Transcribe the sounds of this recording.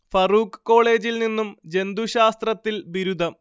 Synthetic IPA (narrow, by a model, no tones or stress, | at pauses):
fɐruːkɨ̥kːo̞ːɭe̞ːd͡ʑilninːumd͡ʑe̞nd̪uɕaːst̪rɐt̪ːilbiɾud̪ʱɐm